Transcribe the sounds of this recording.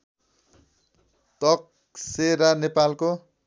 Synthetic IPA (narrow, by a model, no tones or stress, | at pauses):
t̪ʌk̚ | seɾanepalko